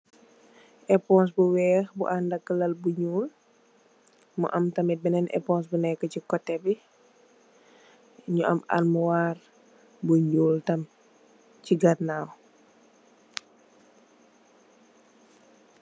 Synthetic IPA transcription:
ʔɛpɔns̬buwɛxbṵʔandɐkːəlɐlbuɲuːl | mṵʔɐmtɐmit̚bɛnɛnʔɛ̰pɔnsbunɛkːəcikɔtːɛbi | ɲuʔɐ̰ma̰nmuwar | buɲuːltɐm | ciɡɐtnaw

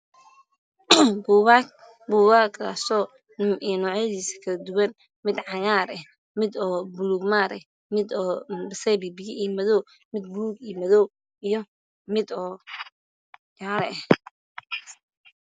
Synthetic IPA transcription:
buːwa | buːwaɡʰa̰sɔː | ijɔnɔːʕjɐðiːsɐ̥kʰɐɐd̪ʊwɐn | mɪd̪ʕɑjaːɾɛh | mɪd̪ɔːbʊluːɡmaːɾɛ̰h | mɪd̪ɔbsɛjbibɪjɪʔijmɐðɔw | mɪd̪̚buluɡijmɐðɔw | ijɔ | mɪd̪ɔː | jaːɾɛɛh

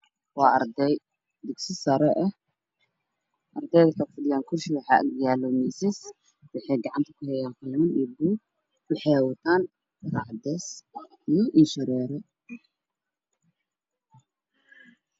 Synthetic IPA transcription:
wɑːɐ̰ɾd̪ɛj | d̪ɪɡsɪsɐɾɛʔɛ | ʔɐrd̪ɛjðɐkʰɐfʊdɪjaːŋkʰʊrʃɪwɑħɑ̰ːʔɡjaːlɔmisɪs | wʊħɛjɡɑʕɑnt̪ʰɐ̥kʰʊhɛjaːnfɪlɪmɐniːbuː | wʊħɛwɐt̪ʰaːn | rɑʕd̪ɛs | ijʔɪnʃɪɾɛːɾɛ

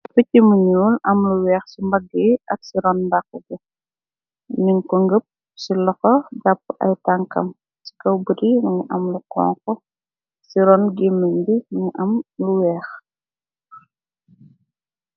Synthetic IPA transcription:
fəcimuɲuːlɐmluwɛːxsumbɐɡːəɐksiɾɔnbakːuɡɐ | niŋkɔŋɡəp̚ | silɔxɔɟapːʔɐ̰jtaŋkɐ̰m | si̥kɐwbədimɐɲiʔɐmlukɔ̰ːŋkɔ | siɾɔnɡemːəɲdimɐɲiʔɐmluwɛːx

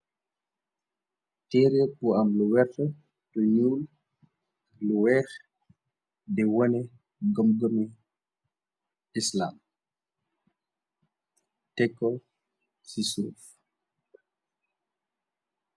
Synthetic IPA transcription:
tɛːɾɛpuɐmluwɛfɔ | tɔɲuːl | luwɛːx | dɛwɔnɛ | ɡɔmɡɔmi | isla̰ːm | tɛkːɔ | sisuṵf

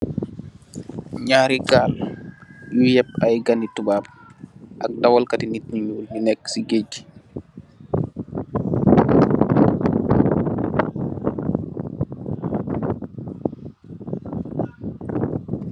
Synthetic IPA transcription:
ɲaːɾiɡaːl | jujɛp̚ːajɡanitubab̚ | ʔak̚dawɔlkatinit̚ɲiɲuːlminɛkːsiɡed͡ʒi̥

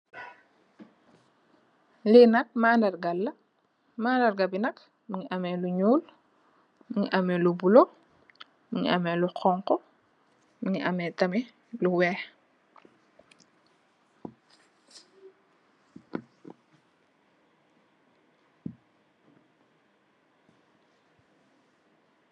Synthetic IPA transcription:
linɐk̚maːndɐrɡɐlːɐ | maːndɐrɡɐbinɐk | miŋiʔɐmɛluɲuːl | miŋiʔɐmɛlubulo | miɲʔɐmɛluqɔŋkɔ | miŋiʔɐmɛtɐmɛ | luwɛːx

